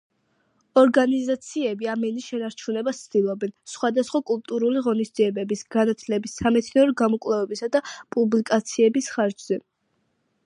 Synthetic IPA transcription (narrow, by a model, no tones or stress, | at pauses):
ɔɾɡanizat̪sʰiɛbiamɛniʃɛnaɾt͡ʃʰunɛbast̪sʰd̪̥ilˠɔbɛnsχwad̪asχwakʼulˠt̪ʼuɾuliʁɔnisd̪ziɛbɛbisɡanat̪ʰlɛbisːamɛt̪sʰniɔɾɡamɔkʼwlˠɛvɛbisad̪apʼublikʼat̪sʰiɛbisχaɾd͡ʒz̥ɛ